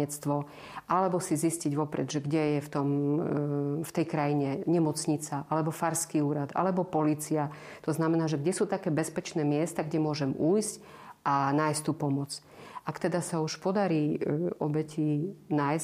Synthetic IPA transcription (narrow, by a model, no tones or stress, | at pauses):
ɛt͡st̪ʋɔ | ʔalɛbɔsizisciɟʋɔpɾɛd̪ʒɛɡɟɛjɛft̪ɔm | ft̪ɛjkɾajiɲɛɲɛmɔt͡sɲit͡saʔalɛbɔfaɾskiuːɾad̪a̰lɛbɔpɔliːt͡sia | t̪ɔznamɛnaːʒɛɡɟɛsuːt̪akɛːbɛspɛt͡ʃnɛːmɪɛst̪aɡɟɛmʊɔʒɛmuːjsc | ʔanaːjst̪uːpɔmʊɔt͡s | ʔakt̪ɛd̪asauʃpɔd̪aɾiːɔbɛcinajs